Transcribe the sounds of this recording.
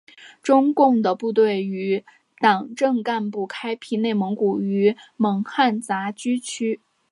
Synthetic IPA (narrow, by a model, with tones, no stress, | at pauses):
ʈ͡ʂʊ˥ŋkʊ˥˩ŋd̪ə˩pu˥˧t̪we˥˩ɪy˧˥ | t̪ɑ˨˩ŋʈ͡ʂɤ˥˧ŋka˥˧npu˥˩kʰa˥ɪpʰi˥ne˥˩ɪmɤ˧˥ŋku˨˩y˧˥mɤ˧˥ŋxa˥˩nt͡sa˧˥t͡ɕy˥t͡ɕʰy˥